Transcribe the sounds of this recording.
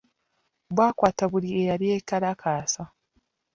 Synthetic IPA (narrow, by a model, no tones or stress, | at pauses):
βwaːkwaːtaβuliejaljeːkalakaːsa